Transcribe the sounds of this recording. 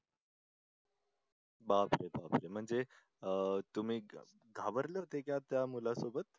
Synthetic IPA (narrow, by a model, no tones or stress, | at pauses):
bapɾeba̰pɾem̤əɳd͡ze | ət̪um̤iː | ɡʱaʋəɾleɦot̪ekjat̪jamulasobət̪̚